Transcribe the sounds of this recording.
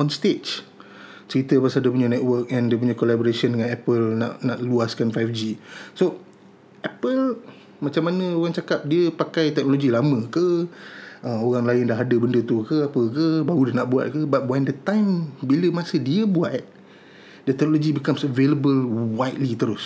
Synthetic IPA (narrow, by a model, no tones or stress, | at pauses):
ɔnst̪et͡ʃ | t͡ʃəɾit̪əpasaldəpuɲanɛt̚wək̚ɛ̃ndəp̬uɲakolaboɾasiɔndəŋãnɛpəlna̰ʔnaʔluaskanfajfd͡ʒiso | ʔɛpəl | mat͡ʃamːanə̃oɣaŋt͡ʃakap̚diəpakajt̪ɛk̚noloɡilamə̃kə | ʔəmoɣaŋlaɪndaɦadəbəndət̪ukəapəkəbaɣudənaʔbua̰t̪̚kəbat̪̚wajndət̪ãjmbiləmãsədiəbuat̪̚ | dət̪ɛk̚noloɡibikamsəveləbəlwajt̪̚lit̪əɾʊs